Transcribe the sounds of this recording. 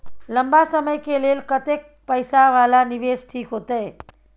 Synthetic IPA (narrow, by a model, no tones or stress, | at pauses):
ləmbasəməjkelelkət̪ek̚ | pəjsaʋalaniʋesʈʰiːkɦot̪əj